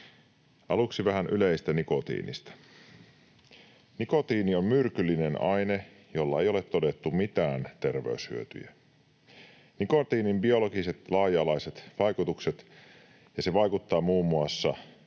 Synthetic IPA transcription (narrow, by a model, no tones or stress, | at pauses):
ʔɑluksiʋæɦænʔyleist̪æniko̞t̪ḭːnḭst̪æ̥ | niko̞t̪iːnio̞mmyrkylːinenɑjne | jo̞lːɑejo̞le̞t̪ːo̞de̞t̪ːumit̪æːnt̪e̞rʋeyshy̰øt̪y̰jæ | niko̞t̪iːnimbio̞lo̞ɡise̞t̪lɑːjɑlɑjse̞t̪ʋɑjkut̪ukset̪ | jɑse̞ʋɑjkut̪ːɑːmuːmːuɑsːɑ̰